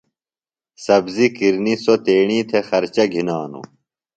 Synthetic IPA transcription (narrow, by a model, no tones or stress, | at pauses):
sɐbzikiɾnisot̪eːɳiːt̪ʰexɐɾt͡ɕɐɡʱinaːnṵ